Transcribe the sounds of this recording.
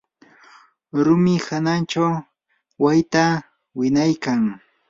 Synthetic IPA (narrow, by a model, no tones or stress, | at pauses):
ɾʊmɪhanant͡ʃaw | wajt̪a | wɪnajkaŋ